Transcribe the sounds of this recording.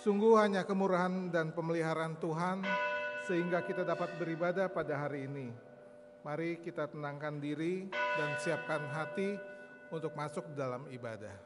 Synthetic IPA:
suŋɡuɦaɲakəmuɾaɦandanpəməliɦaɾant̪uɦansəɦiŋɡakit̪adapat̪̚bəɾibadahpadaɦaɾiːni | maɾikit̪at̪ənaŋkandiɾidansiap̚kanɦat̪i | unt̪ʊk̚masʊk̚dalamiba̰da̰h

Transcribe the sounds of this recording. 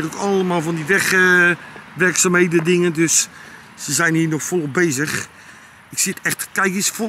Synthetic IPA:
rokɔləmaːlˠvɔndiʋɛx | ʋɛrksaːmheːdədɪŋəndøsː | əzɛjnhiːnɔxfɔlˠobeːzəx | ɪksɪtɛxtkɛjkisfo

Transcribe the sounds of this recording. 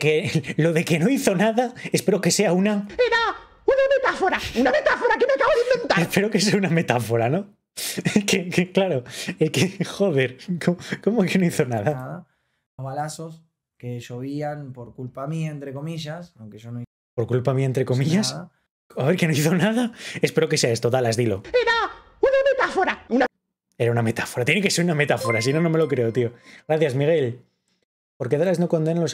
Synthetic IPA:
kelo̞ðe̞ke̞no̞iθo̞naðaespe̞ɾoke̞se̞aunaeɾa | unamet̪afoɾaunamet̪afoɾakemeakaβoðeimbent̪aespe̞ɾoke̞seauname̞t̪afo̞ɾano | kekeklaɾoekexo̞ðe̞ɾkoko̞mokeno̞iθo̞naðanaða | oβalasos | keʃoβianpoɾkulpamient̪ɾekomiʝasaŋkeʃonoi | po̞ɾkulpamiaent̪ɾe̞ko̞miʝas | aβe̞ɾke̞noiθo̞naðae̞spe̞ɾo̞keseaest̪o̞ðalazðilo̞eɾa | unamet̪afoɾauna | e̞ɾauname̞t̪ḁfoɾat̪jenekese̞ɾuname̞t̪afo̞ɾasino̞no̞me̞lo̞kɾe̞o̞t̪io̞ɣɾaθjazmiɣ̞e̞l | poɾk̬eðaleznoko̞nd̪enalo̞s

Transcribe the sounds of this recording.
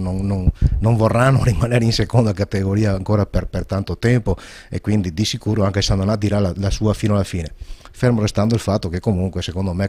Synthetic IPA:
nonːonːoɱvorːanːorimaneːɾeinsekond̪akat̪eɡoɾiːaːŋkoːɾaperpert̪ant̪ot̪ɛmpo | ḛkːwind̪id̪isikuːɾoaŋkesand̪onad̪iɾalalasuːafiːnoalːafiːne | feɾmoɾest̪and̪oilfat̪ːokekːomuŋkwesekond̪ome

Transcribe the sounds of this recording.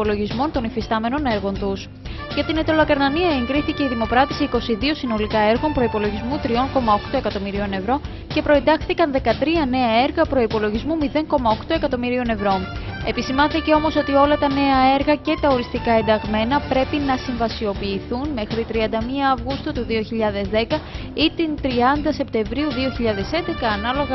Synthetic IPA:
polo̞ʝizmo̞nt̪o̞nifist̪ɐme̞no̞ne̞ɾɣo̞nt̪us | ʝɐt̪inet̪o̞lokɐɾnɐniɐe̞ŋɡɾiθice̞iðimo̞pɾɐt̪isiko̞siðio̞sino̞likɐe̞ɾɣo̞mpɾo̞ipo̞lo̞ʝizmut̪ɾio̞ŋko̞mɐokt̪o̞e̞kɐt̪o̞miɾio̞ne̞vɾo̞ | ce̞pɾo̞e̞nd̪ɐxθikɐnðe̞kɐt̪ɾiɐne̞ɐe̞ɾɣɐpɾo̞ipo̞lo̞ʝizmumiðe̞ŋko̞mɐo̞kt̪o̞e̞kɐt̪o̞miɾio̞ne̞vɾo̞e̞pisimɐnθice̞o̞mo̞so̞t̪io̞lɐt̪ɐne̞ɐe̞ɾɣɐce̞t̪ɐo̞ɾist̪ikɐe̞nd̪ɐɣme̞nɐpɾe̞pinɐsiɱvɐsio̞piːθunme̞xɾit̪ɾiɐnd̪ɐmiɐːvɣust̪ut̪uðio̞çiʎɐðe̞zðe̞kɐ | it̪int̪ɾiɐnd̪ɐse̞p̚t̪e̞ɱvɾiuðio̞çiʎɐðe̞se̞nd̪e̞kɐːnɐlo̞ɣɐ

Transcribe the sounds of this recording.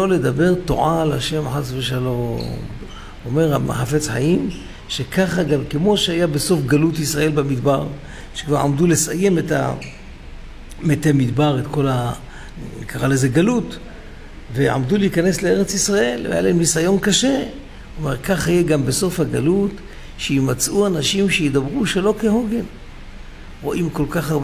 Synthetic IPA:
ole̞d̪abe̞ʁt̪o̰ʕalaʃe̞mħasveʃalo̞m | ome̞ʁamḛħafe̞t͡sħa̰im | ʃe̞kaχaɡamkemo̞ʃeajabeso̞fɡalut̪isʁaʔe̞lbamid̪baʁ | ʃe̥kvaʁa̰md̪ule̞saje̞meta̰ | met̪emid̪baʁet̪ko̞la | kʰaʁaleze̞ɡalut | vea̰md̪uleikane̞sleeʁet͡sisʁaʔe̞lḛm̰a̰laimnisajo̞nkaʃe̞ | omeʁkaχhajeɡambeso̞fhaɡalut | ʃeimat͡sʔuanaʃimʃejid̪abʁuʃelokehoɡe̞n | ʁo̞ʔimko̞lkaχaʁb

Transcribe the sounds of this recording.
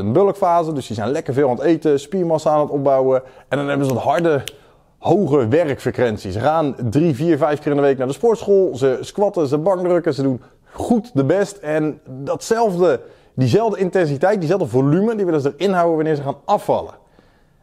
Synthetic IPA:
ənbøləkfaːzədʏsdizɛjnlɛkəɹvɪːlˠantejtəspiɹmɑsaaːnətɔb̚bawəɛndɑnɦɛbənzətɦɑɹdə | howɣəʋɛrkfrəkʋɛnsisəχaːndriviːɹvɛjfkɪːrndəʋejk̚naːɹdəspʊɹtsχoːlˠzəskʋɑtəzəbɑŋdrɵkəzədun | χutdəbɛstɛndɔtsɛlˠvdə | dizɛlˠvdəɪntɛnsitɛjt̚dizɛlˠvdəvolyməndiʋɪlənzədərɪnɦawəʋanɪːɹzəχaːnʔɑfɑ̰lə̰

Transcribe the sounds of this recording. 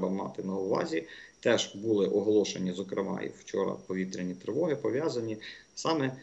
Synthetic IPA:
bɐmɑ̰t̪ɪnɐʊʋɑ̰zʲit̪ɛʒ̥bulˠɪʔɔɦɔlˠɔʃenʲizɔkɾemɑ̰jḭwt͡ʃɔɾɐ̰pɔʋʲit̪ɾʲenʲit̪ɾeʋɔɦɪpɔʋʲjazɐnʲi | sɑmɛ

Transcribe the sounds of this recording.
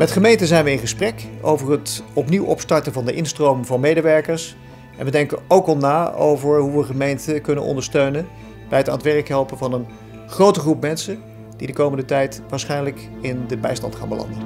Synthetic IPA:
mɛtχəmejntəzɛjnʋəɪnχəsprɛko̰wvəɹɦətɔpniwʔɔ̰pstɑɹtəvɑndəʔɪnstrowmvɑnmejdəʋɛɹkəɹs | ʔɛ̰nʋədɛŋkəowkɑlˠnaːo̰wvəɹɦuʋəχəmejntəkɵnə̰nɔ̰ndəɹstøɥnən | b̥ɛjɦəta̰ːntʋɛɹəkɦɛlˠpəvɑnən | χrowtəχrupmɛnsə | d̥idəkowməndətɛjtʋaːɹsχɛjnlək | ɪndəbɛjstɑ̰ntχa̰ːnbəlɑ̰ndən

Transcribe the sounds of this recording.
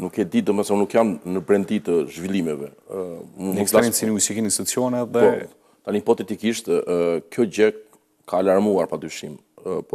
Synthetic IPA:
nukɛd̪it̪d̪əmasamnukjamnəbɾɛnd̪it̪əʒvilˠimɛvɛ | umulaɾinsiniusikinist̪ut͡siɔnɛðɛɔ | t̪anipɔt̪ɛt̪ikiʃt̪kjɔɟɛk̚ | kʰalaɾmuaɾpad̪ɾyʃimpɔ

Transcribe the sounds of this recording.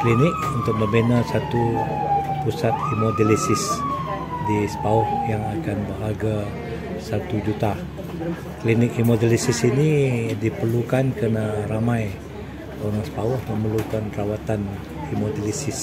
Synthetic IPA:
klinɪkunt̪ʊk̚mə̃mbenasat̪u | pusat̪himodilisɪs | disə̥paʊhjaŋakanbəɦaɡa | sat̪ud͡ʒut̪a | klinɪk̚imodilisɪsinidipərlukankənaɾamaj | oɾaŋsə̥paʊhmə̃məlukanrawat̪an | himodilisɪs

